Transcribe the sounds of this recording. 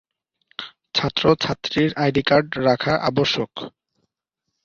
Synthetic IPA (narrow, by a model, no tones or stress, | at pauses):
t͡ɕʰat̪ːɾot͡ɕʰat̪ːɾiɾajɖikaɾɖɾakʰaʔa̰boʃːok